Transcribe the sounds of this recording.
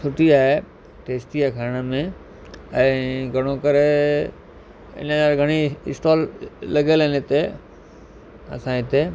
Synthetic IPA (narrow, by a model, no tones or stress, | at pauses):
sʰʊʈiaːɦe | ʈeːsʈiaekʰaːɾɽ̃əmẽ | ɛ̃ɡʱɐɽ̃õkəɾe | ɪ̰nzaːɾɡʱəɽ̃iɪ̰sʈɔːlːɐɡelenet̪e | ɐ̰sãːɪt̪e